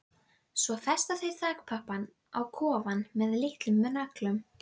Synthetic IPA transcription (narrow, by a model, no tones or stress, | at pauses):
svɔfɛ̥st̪aθejɾ̥θaːkpʰahpːan | awkʰɔːvanmɛðlɪht̪lʏmːɛnaklʏm